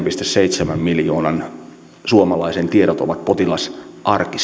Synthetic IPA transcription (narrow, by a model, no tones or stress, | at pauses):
mpist̪esseit̪semæmmiljoːnɑn | suomɑlɑisent̪iedot̪o̰ʋɑt̪̚pot̪ilɑsʔɑrkis